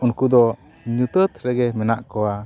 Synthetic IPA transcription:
unkud̪ɔ | ɲut̪ət̪ɾɛɡɛmɛnaʔkɔwa

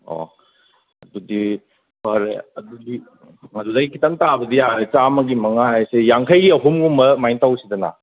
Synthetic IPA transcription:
o̰ | ɐ̰dudi | paɾḛɐdudi | ŋɐdudaɡikitantabɐdijaɾet͡ʃamɐɡimɐŋahajsejaŋkʰɐjɡiɐɦumɡumbɐmajntawsidɐna̰

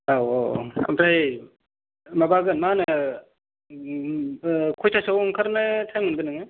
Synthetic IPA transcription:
awɐ̰mpʰɾaj | mabaɡɯnmanɯ | kʰojsʰasawŋkʰaɾnɯtʰajmɯnbɯnɯŋɯ

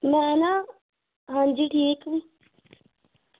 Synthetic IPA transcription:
mɛ̃ana | ɦãnd͡ʒiʈʰiːk

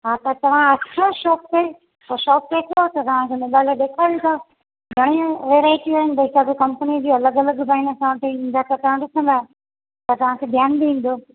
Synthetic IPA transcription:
ɦaːt̪at̪ɐʋ̤ãɐt͡ɕʰãʃɔːk̚kɐe | poːʃɔːk̚ket̪ʰot̪ɐt̪ɐʋ̤ãkʰemɪɗaːləɗeːkʰaːut̪ʰa | ɡʱɐɽ̃ĩʋeːɾaːɪʈiaːɦɪnɪ̆b̪ɐɪsaːbikɐ̃mpənid͡ʑiɐləɡɐləɡbaːɪnəsãʋɐʈ̪ʰiĩnd̪at̪ɐt̪ɐ̃ɗɪsə̃nd̪aː | t̪ɐt̪ɐʋ̤ãkʰeːbʱjaːnb̪iĩːn̆d̪oː

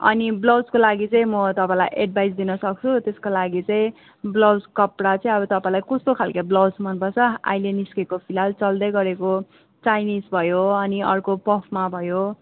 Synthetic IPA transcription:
ʌ̰niblʌwskolaɡit͡sʌĩmʌt̪ʌpãlajʔeɖbʱajsd̪inʌsʌk̚t͡sʰut̪eskolaɡit͡sʌĩ | blʌwd͡zkʌpɽat͡sʌĩʌbʌt̪ʌpãĩlajkʌst̪okʰalkablʌwsmʌnpʌt͡sʰʌa̰jleniskekopʰilalt͡sʌld̪ʌjɡʌɾeko | t͡sajnisbʱʌjoʌniʌ̰rkopʌpʰmabʱʌjo

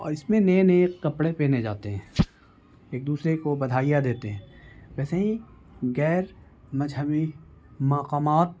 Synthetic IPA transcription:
ɔ̰ːɾɪsmẽneːneːkːɐpɽepeːned͡ʒaːt̪eɦɛ̃ː | eːk̚d̪uːsɾekobɐd̪ʱaːijad̪eːt̪eɦɛ̃ːʋɛːseɦĩ | ɡɛːɾ | mɐd͡ʒɦəmimaːqaːmaːt̪̚

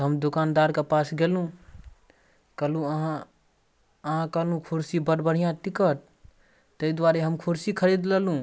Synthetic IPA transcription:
ɦəmd̪ukand̪aɾkepasɡelũ | kəlũəɦã | əɦãkəlũkʰuɾsibəɽbəɽ̤ijãt̪ikəʈ̪̚ | t̪əid̪waɾeɦəmkʰuɾsikʰəɾid̪ləlũ

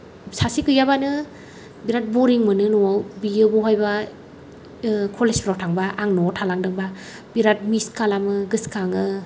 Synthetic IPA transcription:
sasikɯjaβanɯ | biɾat̚bɔɾiŋmɯnɯnɔawbijɯbɔɦɔjba | kʰɔlespɾawtʰaŋbaʔaŋnɔtʰalaŋdɯŋba | b̥iɾat̚miskalamɯɡɯskaŋɯ

